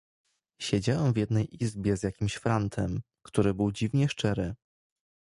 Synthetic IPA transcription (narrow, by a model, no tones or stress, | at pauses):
ɕɛd͡ʑawɛmvjɛd̪̚nɛjʔizbʲjɛzjakʲimɕfɾant̪ʰɛm | kt̪uɾɘbɘwd͡ʑivɲɛʂt͡ʂɛɾɘ